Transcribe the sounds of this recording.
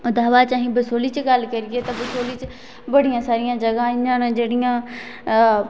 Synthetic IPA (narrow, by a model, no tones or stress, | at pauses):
ʊd̪ʱaːʋat͡ʃãːɦĩbəsoːlit͡ʃɡalkɐɾiet̪ɐbɐsoːlit͡ʃ | bɐɽ̤ijãːsaːɾijãːd͡ʒɐɡãɪ̃ɲd͡ʒãnd͡ʒeːɽɪjãː